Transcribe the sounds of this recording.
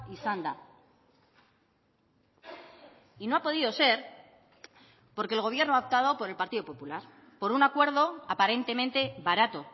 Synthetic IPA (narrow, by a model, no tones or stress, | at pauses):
isand̪a | inoapo̞ðiðo̞se̞ɾ | po̞ɾkelɣo̞β̞je̞ɾnoaop̚t̪aðo̞po̞ɾelpaɾt̪iðo̞po̞pulaɾ | po̞ɾunakwe̞ɾð̞o̞apaɾe̞nt̪e̞mẽnt̪e̞βaɾat̪o̞